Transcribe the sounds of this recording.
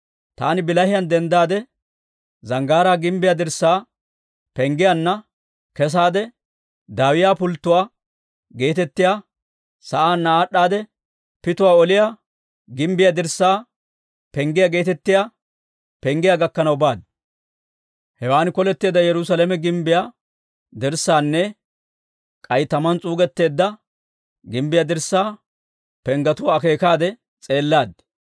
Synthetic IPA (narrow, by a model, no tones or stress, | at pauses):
t̪a̰ːnɪbɪlɐhɪjɐnd̪ɛnd̪aːd̪ɛ | zɐŋɡaːɾaːɡɪmbɪjad̪ɪɾsːaː | pɛŋɡɪjanːɐ | kɛs̬aːd̪ɛ | d̪aːwɪjaːpʊlt̪ːʊwaː | ɡe̞ːt̪ɛt̪ːɪjaː | sɐʔaːnːaaːɗːaːd̪ɛ | pɪt̪ʊwaːɔlɪja | ɡɪmbɪjad̪ɪɾsːaː | pɛŋɡɪjaɡe̞ːt̪ɛt̪ːɪjaː | pɛŋɡɪjaːɡɐkːɐnɐwbaːd̪ | hɛwaːnkɔlɛt̪ːeːd̪ɐjɛɾʊsɐlɛmɛɡɪmbɪjaː | d̪ɪɾsːaːnːɛ | kʼɐjt̪ɐmɐnt͡sʼuːɡɛt̪ːe̞ːd̪ːɐ | ɡɪmbɪjad̪ɪɾsːaː | pɛŋɡɐt̪ʊwaːke̞ːkaːd̪ɛ | t͡sʼe̞ːlːaːd̪